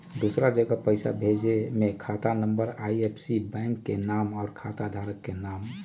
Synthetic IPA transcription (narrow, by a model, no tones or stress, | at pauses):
d̪usɾad͡ʒəɡapəɪsa̰bʱed͡ʒemekʰat̪anəmbəɾajepʰsibɛŋkːenamɔːɾkʰat̪ad̪ʱaɾəkːenam